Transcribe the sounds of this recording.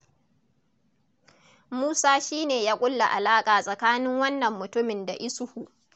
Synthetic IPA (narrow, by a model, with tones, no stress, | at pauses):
muː˦saː˦ʃiː˦neː˨jaː˦kʷʼʊ˦lːa˨ʔa˨laː˦kʼaː˨sʼɐ˨kaː˦nɪ˦ŋwɐ˦nːɐ˨mːʊ˨tʊ˦mɪ˨nda˨ʔɪ˦sʊ˦hu˨ʔ